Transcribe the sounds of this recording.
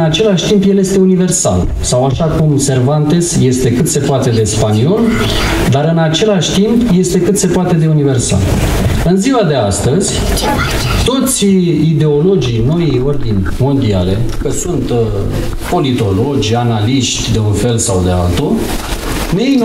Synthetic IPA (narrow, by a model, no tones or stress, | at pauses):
nat͡ʃe̞laʃʲt̪impjelje̞st̪e̞unive̞rsa̰l | sawaʃakumse̞rvant̪e̞sje̞st̪e̞kɨt̪se̞poat̪e̞d̪e̞spanio̞l | d̪aɾɨnat͡ʃe̞laʃʲt̪impje̞st̪e̞kɨt̪se̞poat̪e̞d̪e̞unive̞rsa̰l | ɨnziwad̪e̞ast̪əzʲ | t̪o̞t̪sʲid̪e̞o̞lo̞d͡ʒijno̞io̞rd̪inʲmo̞nd̪ia̰le̞kəsunt̪ | po̞lit̪o̞lo̞d͡ʒʲanaliʃt̪ʲd̪e̞unfe̞lsawd̪e̞a̰lt̪u | nejn